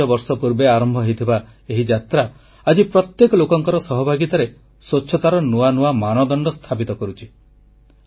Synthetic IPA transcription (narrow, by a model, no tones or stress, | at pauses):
ɔbɔɾsɔpuɾbeaɾɔmbʱɔɦejt̪ʰiba | eɦid͡ʒat̪ɾa | ad͡ʒipɾɔt̪jekɔlokɔŋkɔɾɔsɔɦɔbʱaɡit̪aɾe | soːt͡ʃʰɔt̪aɾɔnuanuamanɔd̪ɔɳɖɔst̪ʰapit̪ɔkɔɾut͡ʃʰi̥